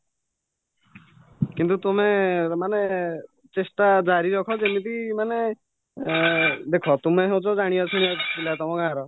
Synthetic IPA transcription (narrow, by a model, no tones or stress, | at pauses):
kint̪ut̪umemane | t͡ʃesʈad͡ʒaɾiɾɔkʰɔd͡ʒemip̪imane | d̪ekʰɔt̪umeɦew̃t͡ʃʰɔd͡ʒaɽ̃ijɔt͡ʃʰuɽ̃iakʰilat̪ɔmɔ̃kãaɾɔ